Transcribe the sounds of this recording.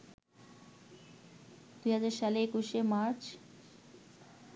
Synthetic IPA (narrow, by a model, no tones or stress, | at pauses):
d̪ujɦad͡ʑaɾʃaleekuʃemaɾt͡ɕ